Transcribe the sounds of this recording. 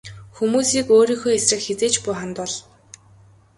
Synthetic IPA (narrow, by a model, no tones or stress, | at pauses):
xumuːsiːkoːɾiːŋxoːesrə̆kxet͡seːt͡ɕpʊːχant̪ʊːɮ